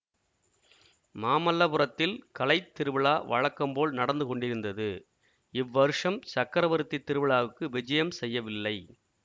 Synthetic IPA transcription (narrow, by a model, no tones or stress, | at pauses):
maːmɐlːɐpɯɾɐt̪ːɪlkɐlɐɪt̪ːɪɾɯʋɪɭaːʋɐ̰ɻɐkːɐmpoːɭnɐɽɐnd̪ɯkɔɳɖɪɾɯnd̪ɐðɯ | ɪʋːɐɾɯʂɐmsɐkːɐɾɐʋɐɾɯt̪ːit̪ːɪɾɯʋɪɭaːʋɯkːɯʋɪd͡ʒɐjɐmsɛjːɐʋɪlːɐɪ